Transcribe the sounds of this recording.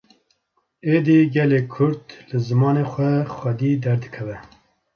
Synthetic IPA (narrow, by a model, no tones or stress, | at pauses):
eːd̪iːɡɛleːkʰʊɾt̪lɨzɨmɑːneːxʷɛxʷɛd̪iːd̪ɛɾd̪ɨkʰɛvɛ